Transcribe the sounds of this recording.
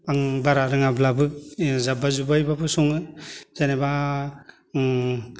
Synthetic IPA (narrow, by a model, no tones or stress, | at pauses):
aŋbaɾaɾɯŋablabɯk̚zabazubajbapʰɯsɔŋɯz̥aneba